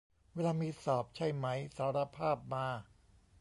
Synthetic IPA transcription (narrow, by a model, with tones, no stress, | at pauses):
weː˧laː˧miː˧sɔː˨˩p̚t͡ɕʰa˥˩jma˦˥jsaː˨˦ɾa˧pʰaː˥˩p̚maː˧